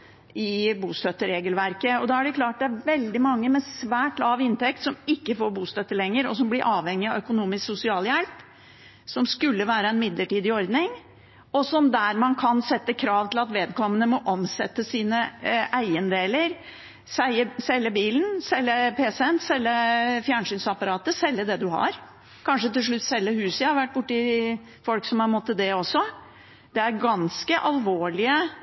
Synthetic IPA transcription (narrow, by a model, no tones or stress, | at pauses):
ɪbuːst̪œt̪ːəɾeːɡəlʋæɾkəɔd̪ɑæɖɛkʰlɑːʈ̚d̪ɛæɾʋɛld̪ɪmɑŋːəmɛsʋæːʈlɑːʋɪnt̪ɛk̚t̪sɔmɪkːəfoːɾbuːst̪œt̪ːəlɛŋːəɾɔsɔmblɪɾʔɑːʋhɛŋːɪɑʋœkʊnuːmɪsksʊsɪɑːljɛlp | sɔmskʉlːəʋæːɾəɛnmɪd̪ləʈiːd̪ɪɔɾd̪nɪŋ | ɔsɔmd̪æɾmɑnkʰɑnsɛt̪ːəkʰɾɑːʋt̪ʰɪlɑt̪ʋeːd̪kʰɔmːənəmɔʔɔmsɛ̰t̪ːəsiːnəʔæɪənd̪eːləɾ | sæɪəsɛlːəbiːlən̩sɛlːəpʰeːsɛnsɛlːəfjæːɳʂyːnsɑpɑɾɑːt̪əsɛlːəd̪ɛd̪ʉhɑ̰ɾ | kʰɑnʂət̪ɪlʂ̬ɭʉt̪ːsɛlːəhʉːsəhɑɾʋæʈ̚ːbʊʈːɪ | fɔlksɔmhɑɾmɔt̪ːəd̪ɛɔsːɔ | d̪̥ɛæɾɡɑnskəʔɑlʋoːɭɪə